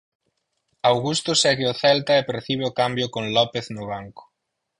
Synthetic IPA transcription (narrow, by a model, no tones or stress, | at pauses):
awɣust̪ʊsɛɣeʊθɛlt̪aepeɾθiβ̞eʊkambjʊkõŋlɔpeθnʊβ̞aŋkʊ̥